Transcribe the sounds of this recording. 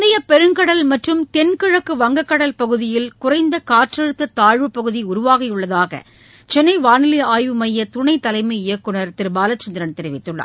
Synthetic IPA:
d̪ɐjɐpɛɾɯŋkɐɽɐlmɐʈrɯmt̪ɛnkɪɻɐkːɯʋɐŋɡɐkːɐɽɐlpɐɣɯðɪjɪlkʊrɐɪnd̪ɐkaːʈrɐɻɯt̪ːɐt̪aːɻʋɯpɐɣɯðiʊɾʊʋaːɣɐjɯɭːɐðaːɣɐ̰ | t͡ʃɛnːɐɪʋaːnɪlɪaːjʋɯmɐjːɐt̪ʊɳɐɪt̪ːɐlɐɪmɐɪjɐkːɯɳɐɾt̪ɪɾɯbaːlɐt͡ʃːɐnd̪ɪɾɐnt̪ɛɾɪʋɪt̪ːɯɭːɐ̰ː

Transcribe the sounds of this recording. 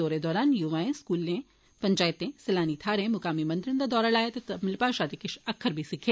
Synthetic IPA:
oːɾed̪ɔːɾaːnjuʋaːẽskuːlẽ | pɐɲt͡ʃaːjt̪ẽsɐlaːnit̪ʰaːɾẽmʊkaːmimɐ̃nd̪ɪɾɪ̃nd̪ad̪ɔːɾalaːjet̪et̪ɐmɪlpaːʃaːd̪ekɪʃɐkʰːəɾbʱisikʰẽː

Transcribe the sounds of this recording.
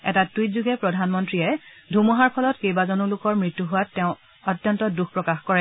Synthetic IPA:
ɛtatwitzuɡɛpɹɔdʱanmɔntɹiɛdʱumɔɦaɹpʰɔlɔtkejbazɔnulʊkɔɹmɹitːuɦʊwatːɛʊ̃ | ɔtːjɔntɔduxpɹɔkaxkɔɹɛ

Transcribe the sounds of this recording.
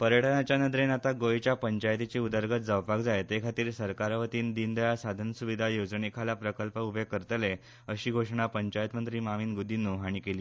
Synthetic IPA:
pəɾjəʈʰənat͡ɕjanəd̪ɾenat̪aɡojt͡ɕjapəɲt͡ɕajt̪it͡ɕiud̪əɾɡʱət̪̚d͡zəwpakd͡zajt̪ekʰat̪iːɾsəɾkaɾʋət̪iːnd̪ind̪əjasad̪ʱənsuʋid̪ʱajod͡zɳekʰalapɾəkəlpəubʱekəɾt̪əle | əɕiːɡʱoʂɳ̃apəɲt͡ɕajət̪mənt̪ɾiːmamiːnɡud̪inːuɦaɽ̃ikeliː

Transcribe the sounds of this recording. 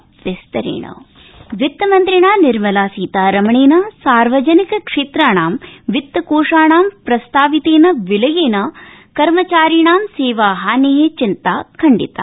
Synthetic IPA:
ʋest̪ɐɾḛːɳɐ̰ | ʋit̪ːɐmɐnt̪ɾiɳaːniɾmɐlaːsiːt̪aːɾɐmɐɳeːnɐsaːɾʋɐd͡ʒɐnikɐkʂeːt̪ɾaːɳaːmʋit̪ːɐkoːʂaːɳaːmpɾɐst̪aːʋit̪eːnɐʋilɐjeːnɐ | kɐɾmɐt͡ʃaːɾiɳaːmseːʋaːɦaːneɦet͡ʃint̪aːkʰɐɳɖḭt̪a̰

